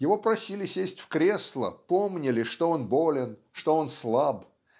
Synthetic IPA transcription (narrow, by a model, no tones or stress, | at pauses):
jɪvo̞pɾɐsʲilʲɪsʲesʲtʲfkɾʲe̞slˠə̰po̞mnʲɪlʲɪʂt̪oonbo̞lʲɪnʂt̪oonslˠab